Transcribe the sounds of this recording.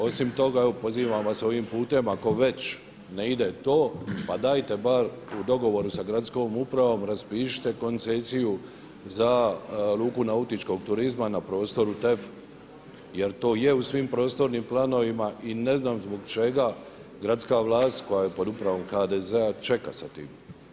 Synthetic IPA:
o̞simt̪o̞ɡaeopo̞ziːʋamʋaseo̞ʋimpuːt̪e̞mako̞ʋe̞t͡ʃ | neid̪et̪o̞ːpad̪aːjt̪e̞baɾ | ud̪o̞ɡo̞ʋo̞ɾusaɡɾat̪sko̞mupɾaʋo̞mɾaspiːʃi̥t̪e̞ko̞nt̪sesiju | zaɾuːkunaut̪it͡ʃko̞ɡt̪uɾizmanapɾo̞ːst̪o̞ɾut̪ef | je̞ɾt̪o̞ːjeusʋimpɾo̞ːst̪o̞ɾnimplˠano̞ʋimaʔine̞znaːmzbo̞ɡt͡ʃe̞ɡa | ɡɾat̪skaʋlˠaːst̪ko̞jajepo̞d̪upɾaʋo̞mxad̪ezeat͡ʃe̞ka̰sat̪ḭːm

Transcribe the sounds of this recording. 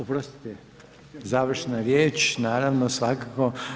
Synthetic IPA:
opɾost̪i̥t̪ɛ | zaːʋr̩ʃnaɾjeːt͡ʃnaːɾaʋnosʋakako

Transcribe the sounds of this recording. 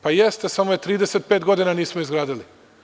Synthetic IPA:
pajest̪esamojet̪ɾiːd̪ese̞t̪̚peːt̪ɡo̞d̪inaniːsmoizɡɾaːd̪ili

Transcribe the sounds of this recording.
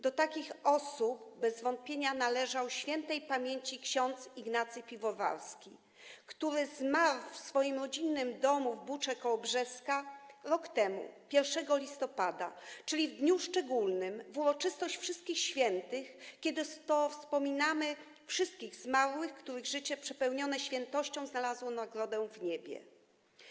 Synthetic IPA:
d̪ɔt̪akʲixɔsupbɛzvɔnt̪̚pʲjeɲanalɛʐawɕfʲjɛnt̪ɛjpamʲjeɲt͡ɕikɕɔnt̪siɡnat̪sɘpʲivɔva̰ɾskʲi | kt̪uɾɘzmaɾfsfɔjimɾɔd͡ʑinːɘmd̪ɔmuvbut͡ʂɛkɔbʐɛskaɾɔkt̪ɛmṵpʲjɛɾfʂɛɡɔlʲist̪ɔpad̪a̰t͡ʂɘlʲivd̪ɲuʂt͡ʂɛɡulnɘmvuɾɔt͡ʂɘst̪ɔɕt͡ɕfʂɘst̪kʲixɕfʲjɛnt̪ɘxkʲɛd̪ɘt̪ɔfspɔmʲinamɘ | fʂɘst̪̚kʲiɣzmaɾwɘxkt̪uɾɘɣʐɘt͡ɕɛpʂɛpɛwɲɔnɛɕfʲjɛnt̪ɔɕt͡ɕɔ̃w̃znalazwɔnaɡɾɔd̪ɛw̃vɲebʲjɛ̰

